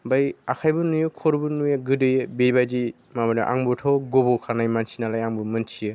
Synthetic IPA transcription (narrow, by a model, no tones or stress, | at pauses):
bajakʰajbɯnujɯkʰɔɾbɯnujaɡɯdɯjɯbebad͡ʒi | mamadaʔa̰ŋbɔtʰawɡobɔkʰanajmansinalajaŋbɯmɯnt͡ʃʰijɯ